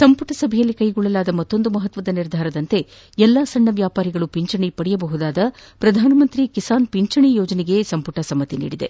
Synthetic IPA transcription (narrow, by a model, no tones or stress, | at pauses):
sɐmpuʈɐsɐbʱɛjɐlːikɐjɡuɭːɐlaːd̪ɐmɐt̪ːo̞nd̪umɐɦɐt̪ʋɐd̪ɐniɾd̪ʱaːɾɐd̪ɐnt̪e̞ | ɛlːaːsɐɳːɐʋjaːpaːɾiɡɐɭupiɲt͡ʃɐɳipɐɽijɐbɐɦud̪aːd̪ɐpɾɐd̪ʱaːnɐmɐnt̪ɾikisaːnpiɲt͡ʃɐɳijoːd͡ʒɐneɡe̞sɐmpuʈɐsɐmːɐt̪inḭːɽid̪e̞̰